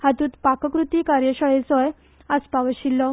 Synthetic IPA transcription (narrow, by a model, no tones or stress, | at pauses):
hat̪uːt̪pakəkɾut̪iːkaɾjəɕəɭet͡sɔj | əspaʋəɕilːɔ